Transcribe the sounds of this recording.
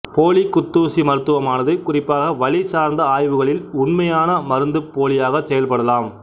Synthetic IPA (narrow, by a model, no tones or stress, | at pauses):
poːɭikːʊt̪ːuːsimɐɾɯt̪ːɯʋɐmaːnɐðɯkːʊrɪpːaːɣɐʋɐɭɪsaːɾnd̪ɐaːjʋɯɣɐɭɪlʊnmɐjaːnɐmɐɾɯnd̪ɯpːoːlɪjaːɣɐsɛjɐlpɐɽɐlaːm